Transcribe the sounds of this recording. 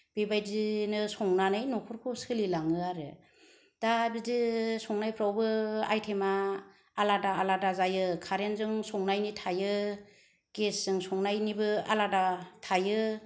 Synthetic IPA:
b̥ibajzinɯsɔŋnanɯjnukʰuɾkʰusɯlilaŋɯaɾɯ | d̥abizisɔŋnajpʰɾawbɯa̰jtʰemaː | ladaːladazajɯkʰaɾenzɯŋsɔŋnajnitʰajɯ | ɡ̥esz̥ɯŋsɔŋnajnibɯa̰ladatʰajɯ

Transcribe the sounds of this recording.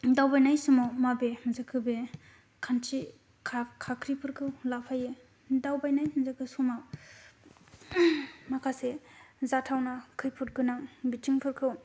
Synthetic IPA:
dawbajnajsɯmɔmabemazakʰɯbe | kʰantʰi | kʰakʰːakʰɾipʰɯɾkʰɯwlapʰaje | dawbajnajmizakʰɯsɔmaw | makʰasezatʰawnakʰɯjpʰut̚ɡɯnaŋbitʰiŋpʰɯɾkʰɯw

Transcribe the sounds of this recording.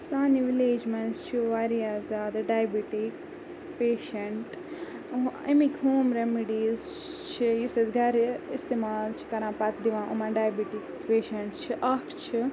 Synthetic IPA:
saːniʋileːd͡ʒmɐ̃nst͡ʃʰiʋaːɾiaːzaːd̪ɨɖaːjbiʈiks | peːʃɐɳʈ | ḛmikʲɦoːmɾemiɖiːz | t͡ʃʰijisesɡʱɐɾist̪eːmaːlt͡ʃʰi̥kɐɾãːpɐt̪d̪iʋãːʔumãɖaːjbiʈikspeːʃɐɳʈt͡ʃʰiʔɐkʰt͡ʃʰi

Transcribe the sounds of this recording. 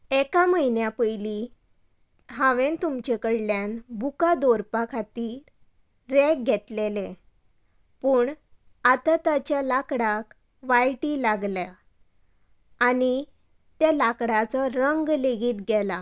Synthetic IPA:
ekaməɦinjapəjli | ɦãʋent̪umt͡ɕekəɽljanbʱukad̪oɾpakʰat̪iːɾ | ɾek̚ɡʱɛt̪lelẽ | puːɳ | at̪at̪at͡ɕjalakɽak | ʋajʈiːlaɡlja | ani | t̪jalakɽat͡sɔɾəŋɡleɡiːt̪ɡɛla

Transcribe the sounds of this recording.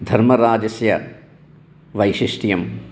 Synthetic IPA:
d̪ʱɐɾmɐɾaːd͡ʒɐsjɐ̰ | ʋɐjʃiʂʈijɐm

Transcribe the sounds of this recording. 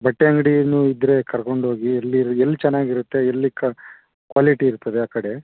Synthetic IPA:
bɐʈːeɐŋɡɽinuid̪ɾe̞kɐɾko̞ɳɖɦo̞ːɡielːiɾelːit͡ʃɛnːaːɡiɾut̪ːe̞elːikːɐ | kʋaːliʈiːɾut̪ːɐd̪eaːkɐɽe̞

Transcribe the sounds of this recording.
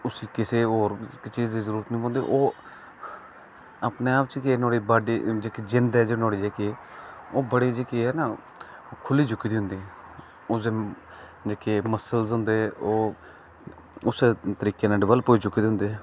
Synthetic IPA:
ʊsiːkɪseːoːɾkt͡ʃiːzd̪iːzəɾuːɾət̪nĩːpõːnd̪ḛːʔoː | aːpneːaːp̚t͡ʃkeːnoːɽiːbaːɖiːd͡ʒeːkiːd͡ʒɪnd̪ɛːd͡ʒeːnoːɽiːd͡ʒeːkioːbəɽiːd͡ʒeːkiːɛːna | kʰʊliːd͡ʒʊkːiːd̪iɦʊ̃nd̪iːɛ | oːzeː | d͡ʒeːkeːməsəlsɦʊ̃nd̪eːoː | ʊseːt̪əɾiːkẽːneːɖɪʋəlpoːiːt͡ʃʊkːiːd̪eːɦʊnd̪eː

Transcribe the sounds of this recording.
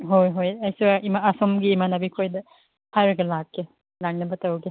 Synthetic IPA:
ɦojɦojajsuaimaːsɔmɡiːmanabikʰojdɐ | pʰajɾeɡɐlakːe | laŋnɐbɐtawɡi

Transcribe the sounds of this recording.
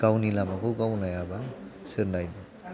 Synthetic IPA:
ɡ̥awnilamakɯwɡawnajabasɯɾnajni

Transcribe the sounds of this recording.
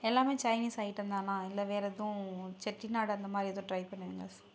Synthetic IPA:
ɛlːaːmeːt͡ʃɐɪniːsɐːjɪʈːɾɯnd̪aːnãːɪlːɐʋeːɾɛðʊ̃t͡ʃɛʈːinaːɽɐnd̪ɐmaːd̪ɾiɐðʊ̃ːʈɾɐɪpɐɳːɐʋiːŋɡɐ̰ɭs

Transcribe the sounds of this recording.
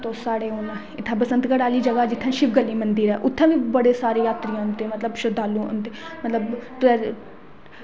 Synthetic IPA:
t̪oːsaːɽeːɦoːnãː | ɪt̪ʰːãːpəsə̃nt̪kəɽaːliːd͡ʒəɡaːd͡ʒɪt̪ʰːãːʃɪʋɡəlːiːmənd̪ɪɾɛːʔʊt̪ʰːãːbiːbəɽeːsaːɾeːjaːt̪ɾijãːnt̪eːmət̪ləbʃʊd̪ʱaːlũːo̰nt̪eːmət̪ləbt̪ɛː

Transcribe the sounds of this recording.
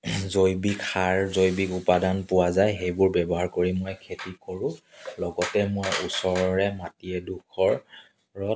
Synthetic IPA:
zojbikxaɹzojbikʊpadanpʊwazajxejbʊɹbɛbɔɦaɹkoɹimːojkʰetikoɹʊ̃ | lɔɡɔtɛmojusɔɹɔɹɛmatiɛdukʰɔɹ | ɹɔt

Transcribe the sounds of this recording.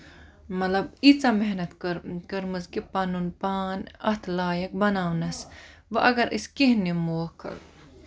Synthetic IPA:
mɐlɐbit͡sameɦnɐt̪kəɾkɐɾmɐzkipaːnunpaːnɐht̪ʰlaːjɐk̚bɐnaːwnɐsʋɐʔɐɡɐɾʔiskeɦnimoːkʰɐ̰

